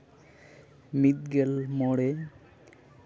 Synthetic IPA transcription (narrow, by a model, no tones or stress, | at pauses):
mit̪̚ɡelmɔɽe